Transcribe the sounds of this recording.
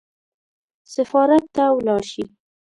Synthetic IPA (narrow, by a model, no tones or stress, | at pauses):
sɪfɑɾat̪ːawlɑɾʃi